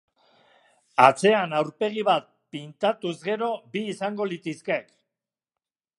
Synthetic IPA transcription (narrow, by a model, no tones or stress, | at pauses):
at͡se̞anawɾpe̞ɣ̞iβat̪̚pint̪at̪uzɣe̞ɾo̞biːsaŋɡo̞lit̪iskek